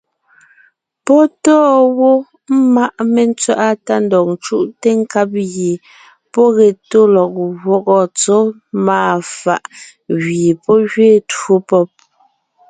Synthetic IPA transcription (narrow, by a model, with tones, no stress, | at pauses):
pɔ˦tɔː˦wɔ˦ | m̩˦ma˦ʔme˨n̩˦t͡sɥa˦ʔa˦ta˦n̩dɔ˨k̚n̩t͡ʃu˦ʔte˦ŋ̩˦ka˦p̬̚ɣe˨ | pɔ˦ɣɛ˨to˦lɔ˨k̚ɣwɔ˨kɔ˨t͡so˦ | maː˦˨fa̰˨ʔ | ɣɥi˨pɔ˦ɣɥeː˦˨two˦pɔ˦p̚